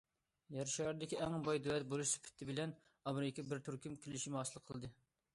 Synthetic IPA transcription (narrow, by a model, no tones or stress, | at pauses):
jɛɾʃɑɾd̪ɪkʲiɛŋbɑjd̪uwɛt̪̚bolˠuʃsɪ̥pʰɪ̥t̪ʰːɪbɪlɛn | ɑmɾɪkʲibɪɾt̪ʰyɾkʲimkʲʰelɪʃimɪɑːsɨlˠqʰəlˠɨd̪ɨ